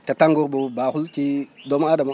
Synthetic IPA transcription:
tataŋɡuɾbubaxulkidomadama

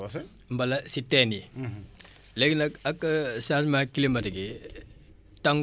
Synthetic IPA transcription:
mbɐlɐsitːeni | lekinɐkɐkːsasmakilimɐtɐɡi | taŋ

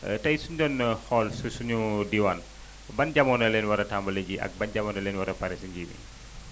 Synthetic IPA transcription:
tɐjsuɲɟɔnxɔlsusuɲudiwɐn | bɐnɟɐmɔnɐlɛnwɐɾɐtambɐleɟiʔɐ̰k̚bɐnɟɐmɔːnɐlɛːnwɐɾɐpɐɾɛsiɲɟiwḭ

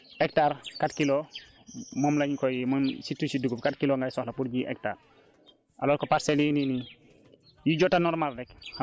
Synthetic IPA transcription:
ɛk̚taɾkatkilo | mɔːmlɐɲkɔjimɔmsitːusiduɡufkatkiloŋɡajsɔxlɐpuɾɟiʔɛ̰k̚ta̰ːr | ʔa̰lɔːlkɔpaɾsɛlinini | jiɟɔtanɔɾmaɾdɛkh

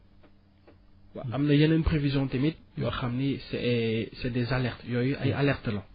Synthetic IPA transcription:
wa̰amnəjanaynpχevizjɔ̃t̪emid̪̚jaχamnisɛsɛd̪ezalɛʁt̪jɔyʔaʔalɛʁt̪̚d̪əlã

